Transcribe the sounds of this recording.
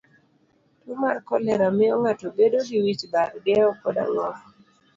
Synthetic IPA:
tʊmarkɔlɛɾamɪɔŋatɔbedoɡiwit͡ʃbaɾɡɛɔkɔda̰ŋɔf

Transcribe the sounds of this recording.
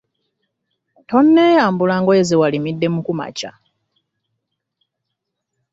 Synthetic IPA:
to̞nːe̞ːjaːmbulaŋɡoezewalimidːe̞mukuma̰ca̰

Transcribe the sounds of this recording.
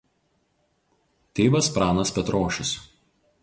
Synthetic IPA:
t̪ʲeːʋɐspɾɑːnɐspʲɛt̪ɾoːʃʲʊs

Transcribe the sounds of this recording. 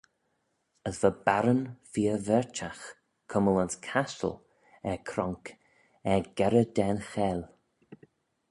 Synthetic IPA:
əsv̥əbaɾənfiːəvɛɹt͡ʃax | kʰəmələnskʰastə̰l | ɛkʰɾɔŋk | ɛɡɛɾəd̪ɛnxɛːl

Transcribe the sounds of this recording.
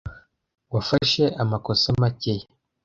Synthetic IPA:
wafaʃe̞ʔamakosamaceje

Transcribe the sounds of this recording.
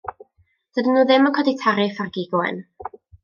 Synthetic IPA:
d̥ədənːuːðɪməkʰɔditʰaɾɪfarɡiɡʊɛ̰n

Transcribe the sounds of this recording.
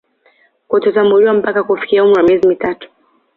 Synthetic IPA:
kɔtɔtamuliwam̩pakakufi̥kiaumuɾamiɛzimitatu̥

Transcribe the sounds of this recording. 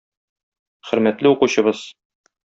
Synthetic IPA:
χɵ̆ɾmæt̪lɘuquɕɤ̆bɤz̥

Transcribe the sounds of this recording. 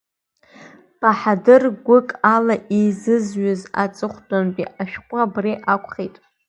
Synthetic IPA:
pʰʼaħadɨrɡʷʊkʼalaʔizɨzɥʊza̰t͡sʼɨχʷdʼanpʼiʔaʃᶣkʷʼabriʔakʷʰʼχejtʼ

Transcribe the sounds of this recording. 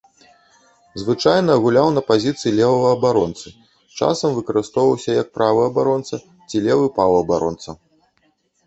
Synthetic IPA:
zvɨt͡ʂajnɐːɣulʲawnɐpazʲit̪sɨjilʲɛvɐvɐɐbaɾɔnt̪sɨ | t͡ʂa̰sɐmvɨkɐɾɨst̪ɔwvɐwsʲɐjɐk̚pɾavɨɐbaɾɔnt̪sɐ | t͡sʲilʲɛvɨpawɐɐbaɾɔ̰nt̪sɐ

